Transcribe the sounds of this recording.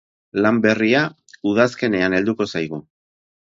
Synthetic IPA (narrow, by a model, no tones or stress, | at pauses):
lambe̞ria | uð̞aske̞ne̞ane̞ld̪uko̞sajɣ̞u